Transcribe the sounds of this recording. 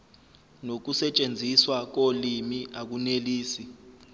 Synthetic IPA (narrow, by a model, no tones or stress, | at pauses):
nok̬usɛt͡ʃʼend͡zʱiswak̬olimiʔak̬uneliːsi